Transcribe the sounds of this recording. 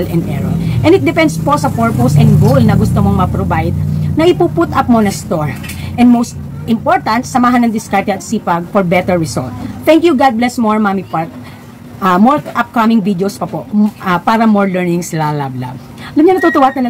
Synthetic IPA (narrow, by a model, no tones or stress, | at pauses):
lʔɛnd̪ʔɛɹoʔɛ̃nɪt̪̚d̪ɛpɛnd̪spo̞sɐfoɹposɛ̃nɡolnɐɡʊst̪omoŋmɐpɾobajd̪̚nɐʔɪpuput̪ʔɐp̚monɐst̪oɹ | ʔɛnd̪̚mowst̪ | ʔɪ̃mpoɹt̪ɐ̃nt̪sɐmaːɦɐnːɐŋd̪ɪskaɹt̪ɛɐt̪̚sipaɡ̚fɔɹbɛt̪ɛɹɹɪso̰lt̪̚t̪ɛŋkjuɡad̪̚blɛsmoɹmamipat̪̚ | ʔɐmɔɹʔɐp̚kɐmɪŋvid̪ospɐpoɐpaːɾɐmɔɹlɛɹnɪ̃ŋslalabla̰b | ɐlɐmɲɐnɐt̪ut̪ʊwat̪ɐnɐ